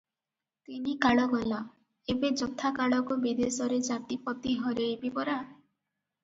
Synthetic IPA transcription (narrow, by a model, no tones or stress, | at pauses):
t̪inikaɭɔɡɔla | ebed͡ʒɔt̪ʰakaɭɔkubid̪esɔɾed͡ʒaʈipɔt̪iɦɔɾeibipɔɾa